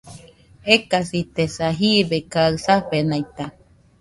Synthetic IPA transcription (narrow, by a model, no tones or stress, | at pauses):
ekasit̪esaɦiβekaɯsaɸenajt̪a